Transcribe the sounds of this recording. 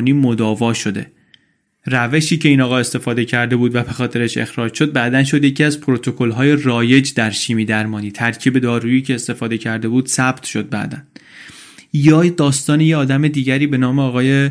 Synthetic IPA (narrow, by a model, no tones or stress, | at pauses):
niːmo̞d̪ɒːvɒːʃo̞d̪e̞̰ | ræve̞ʃiːcʰe̞iːnɒːɣɒːest̪e̞fɒːd̪e̞cʰæɾd̪e̞buːd̪væbe̞xɒːt̪ʰe̞ɾeʃe̞̰xɾɒːd͡ʒʃo̞d̪̚bæd̪ænʃ̬o̞d̪jecʰiːæzpʰoɾo̞t̪ʰo̞kʰo̞lɦɒːje̞rɒːje̞d͡ʒd̪æɾʃiːmiːd̪æɾmɒːniːt̪ʰæɾcʰiːbe̞d̪ɒːɾuiːcʰe̞ːst̪e̞fɒːd̪e̞cʰæɾd̪e̞buːd̪̥sæb̥t̪ʰʃo̞d̪̚bæ̰ʔd̪æn | jɒːd̪ɒːst̪ɒːnejeɒːd̪æme̞d̪iːɟæɾiːbe̞nɒːmeɒːɣɒːje